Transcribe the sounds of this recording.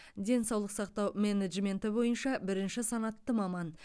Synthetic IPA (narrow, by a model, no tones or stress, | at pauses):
d̪e̞nsɑwlˠəqsɑqt̪ɑwmʲeneʒmʲe̞nt̪ɪbo̞jənʃɑbɪɾɪnʃɪsɑnɑt̪ːəmɑmɑn